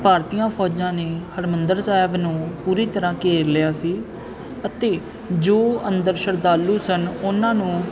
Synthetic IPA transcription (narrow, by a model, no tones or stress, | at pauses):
paːɾt̪iːjãːpʰɔːd͡ʒãːneːhəɾmənd̪əɾsaːɪbnũːpuːɾiːt̪əɾãːkeːɾlɪjaːsiː | ət̪eː | d͡ʒoːənd̪əɾʃəɾd̪aːlːuːsənʊnãːnũː